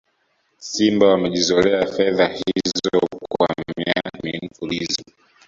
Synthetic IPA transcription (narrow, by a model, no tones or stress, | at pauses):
simbawamɛʄizɔlɛafɛðahiizɔkwa̰miamin̩fulizɔ